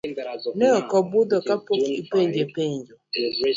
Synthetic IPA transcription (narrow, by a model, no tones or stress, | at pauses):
neɔkɔbʊdɔkapokipeɲd͡ʒepeɲd͡ʒɔ